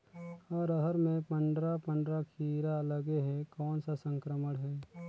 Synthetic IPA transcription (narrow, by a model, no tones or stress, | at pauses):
ɔːɾəɦəɾmẽpə̃ɳɖɾapə̃ɳɖɾakʰiːɾaləɡeɦɛkɔːnsasə̃ŋkɾəməɽɦɛː